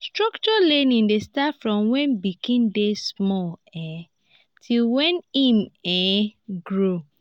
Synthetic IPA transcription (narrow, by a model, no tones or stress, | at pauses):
stɹɔkt͡ʃɔlẽnĩndestafɹɔ̃mwɛ̃nbikʰĩndesmɔlɛ | tʰilwɛ̃nimɛɡɹo